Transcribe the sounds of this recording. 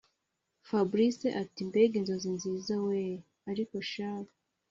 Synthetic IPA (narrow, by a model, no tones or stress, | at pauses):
fabɾiseʔatimbeɡinzo̞zinziːzawe | aɾiko̞ʃaːka